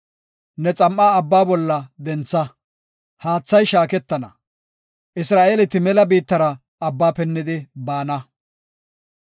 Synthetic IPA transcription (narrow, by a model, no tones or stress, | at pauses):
nɛt͡sʼɐmʔːaːɐbːaːbɔlːɐd̪ɛnt͡sːɐ | haːt͡sːɐjʃaːkɛt̪ːɐnɐ̰ | ʔɪsɾaːʔeːlɪt̪ːɪmɛlɐbiːt̪ːɐɾɐ | ɐbːaːpɛnːɪd̪ɪbaːnɐ